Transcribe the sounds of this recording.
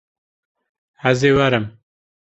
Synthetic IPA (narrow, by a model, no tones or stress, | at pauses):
hæzeːwɐɾɨm